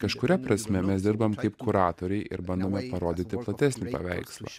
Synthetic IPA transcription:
kɐʃkʊɾʲɛpɾɐsʲmʲɛmʲɛsd̪ʲɪɾbɐmkɐɪpkʊɾɑːt̪oːɾʲɛɪʔɪɾbɐnd̪oːmʲɛpɐɾoːd̪ʲɪt̪ʲɪplˠɐt̪ʲæsʲnʲɪpɐ̰ʋʲɛ̰ɪkslˠɐ̰ː

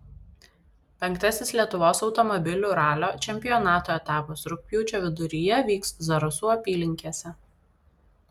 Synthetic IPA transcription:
pʲɛŋkt̪ɐsʲɪslʲiɛt̪ʊʋoːsɒʊt̪ɔmɔbʲɪlʲuːɾɑːlʲoːt͡ʃʲɛmʲpʲɪjɔnɑːt̪oːɛt̪ɑːposɾʊk̚ʲpʲjuːt͡ʃʲoːʋʲɪd̪ʊɾʲɪjɛʋʲiːkszɐɾʊsuːɐpʲiːlʲɪŋʲkʲiɛsʲɛ

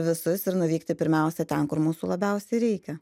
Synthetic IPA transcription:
ʋʲɪsʊsɪɾnʊʋʲiːkt̪ʲɪpʲɪɾʲmʲɛʊsʲɛt̪ʲɛnkʊɾmuːsuːlˠɐbʲɛʊsʲɛɪɾʲɛɪkʲɛ

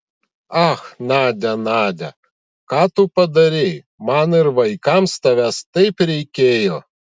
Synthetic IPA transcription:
ɑxnɑːd̪ʲɛnɑːd̪ʲɛ̰ | kɑːt̪ʊpɐd̪ɐɾʲe | mɐnɪɾʋɐɪkɑmst̪ɐʋʲæst̪ɐɪpɾʲɛɪkʲeːjoː

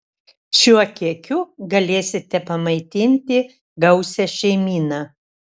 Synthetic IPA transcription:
ʃʲuɔkʲiɛkʲʊɡɐlʲeːsʲɪt̪ʲɛpɐmɐɪt̪ʲɪnʲt̪ʲɪ | ɡɐʊsʲɛʃʲɛɪmʲiːnɑː

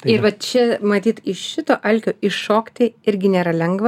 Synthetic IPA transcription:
ɪɾʋɐt͡ʃʲɛmɐt̪ʲiːt̪ɪʃʃʲɪt̪oːʔɐlʲkʲoːɪʃoːkt̪ʲɪɪɾʲɡʲɪnʲeːɾɐlʲɛŋɡʋɐ

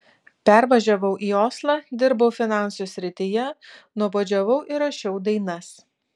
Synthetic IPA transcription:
pʲæɾʋɐʒʲɛʋɐʊʔiːoːslˠɑːd̪ʲɪɾbɐʊfʲɪnɑˑnsusʲɾʲɪt̪ʲɪjɛnʊboːd͡ʒʲɛʋɐʊʔɪɾɐʃʲɛʊd̪ɐɪnɐs

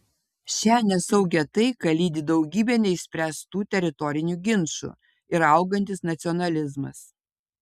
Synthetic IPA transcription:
ʃʲæːnʲɛsɐʊɡʲɛt̪ɐɪkɐlʲiːd̪ʲɪd̪ɒʊɡʲiːbʲɛnʲɛɪsʲpʲɾʲæst̪uːt̪ʲɛɾʲɪt̪ɔɾʲɪnʲuːɡʲɪnˑʃṵ | ɪɾɐʊɡɐnʲt̪ʲɪsnɐt̪sʲɔnɐlʲɪzmɐ̰s

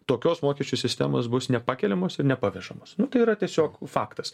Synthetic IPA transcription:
t̪oːkʲoːsmoːkʲɛʃʲt͡ʃʲusʲɪsʲt̪ʲæ̰moːsbʊsnʲɛpɑːkʲɛlʲɛmoːsɪɾnʲɛpɐʋʲɛʒɐmosnʊt̪ɐɪiɾɐt̪ʲiɛsʲoːkfɑːkt̪ɐs

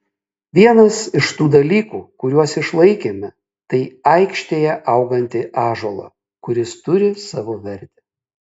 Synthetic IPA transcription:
ʋʲiɛnɐsɪʃt̪uːd̪ɐlʲiːkuːkʊɾʲuɔsɪʃlˠɐɪkʲeːmʲɪ | t̪ɐɪɐɪkʃʲt̪ʲeːjɛʔɐʊɡɐnʲt̪ʲɪʔɑːʒoːlˠɑ̰ | kʊɾʲɪst̪ʊɾʲɪsɑːʋoːʋʲɛɾʲt̪ʲɪ̥

